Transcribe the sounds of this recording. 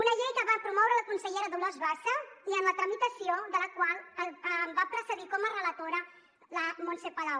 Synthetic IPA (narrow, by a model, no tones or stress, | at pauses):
unəʎejt̪əβapɾumɔwɾələkunsəʎeɾəðulozβasəiəmlət̪ɾəmit̪əsioðələkwalˠəəmbapɾəsəðikɔmərələt̪oɾə | ləmonsepəlaw